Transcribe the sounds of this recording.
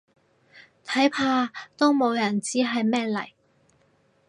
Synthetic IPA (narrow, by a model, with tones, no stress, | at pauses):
t̪ʰɐ˨˥jpʰaː˧t̪o˥wmo˨˧wjɐ˨˩nt͡siː˥ɦɐ˨jmɛː˥lɐ̰˨˩j